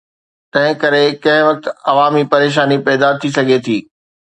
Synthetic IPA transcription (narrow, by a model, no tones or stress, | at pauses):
t̪ɐ̃ɦɪ̃kɐɾekɐ̃ɦɪ̃ʋɐk̚t̪ɐʋaːmipɐɾeːʃ̬aːnipɛːd̪at̪ʰisɐɡʱet̪ʰiː